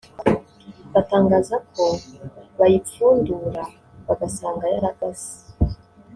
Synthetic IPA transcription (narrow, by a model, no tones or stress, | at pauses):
βataːŋɡaːzak̚oβajitiuːnduɾa | βaɡasaːŋɡajaɾaɡ̥asi̥